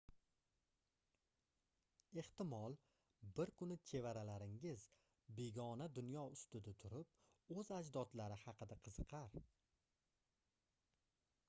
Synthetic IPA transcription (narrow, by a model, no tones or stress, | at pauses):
e̞ht̪ɪmɒlˠ | bɪɾkʰʊnɪt͡ʃʰe̞vaɾalaɾɪŋɪz | be̞ɡʲɒnad̪ʊnjɒʊst̪ʊd̪at̪ʰʊɾɪp̚ɵzad͡ʒd̪ɒt̪laɾɪhɑqʰɨd̪aqʰɨz̥ɨqʰɑɾ